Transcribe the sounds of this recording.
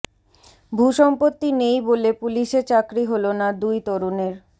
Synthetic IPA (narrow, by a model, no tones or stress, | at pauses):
bʱuʃɔmpot̪ːinejbolepuliʃeɾt͡ɕakɾiɦolonad̪ujt̪ɔɾoneɾ